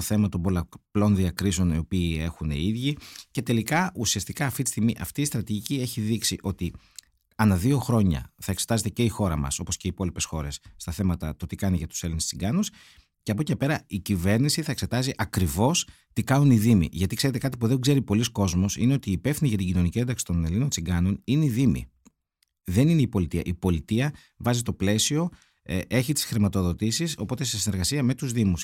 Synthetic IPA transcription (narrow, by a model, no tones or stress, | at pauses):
oθe̞mɐt̪ombo̞lɐplo̞nðiɐkɾiseo̞nio̞piːe̞xunḛiðʝice̞t̪e̞likɐʔusiɐst̪ikɐːft̪it̪i̥st̪iɣmiʔɐft̪iːst̪ɾɐt̪iʝicie̞çiðiksiʔo̞t̪i | ɐnɐðio̞xɾo̞ɲɐ̰θɐekset̪ɐze̞t̪ece̞ixo̞ɾɐmɐ̰so̞po̞sce̞ipo̞lipe̞sxo̞ɾe̞sːt̪ɐθe̞mɐt̪ɐt̪o̞t̪ikɐniʝɐt̪u̥se̞linessiɡɐnus | ceɐpo̞cepe̞ɾɐicive̞ɾnisiθɐekse̞t̪ɐziʔɐkɾivo̞s | t̪ikɐnuniðimḭʝɐt̪ikseɾet̪e̞kɐt̪̬ipuðe̞ŋɡze̞ɾipo̞lisko̞zmo̞sḭne̞o̞t̪iːpe̞fθiniʝɐt̪iɟino̞nicie̞nd̪ɐksi̥t̪o̞ne̞lino̞nt͡siŋɡɐno̞nineiðimḭ | ðe̞nineipo̞lit̪iɐ̰ʔipo̞lit̪iɐ | vɐzit̪o̞ple̞sio̞ | e̞çit̪i̥sxɾimɐt̪o̞ðo̞t̪isiso̞po̞t̪e̞sesine̞ɾɣɐsiɐme̞t̪uzðimus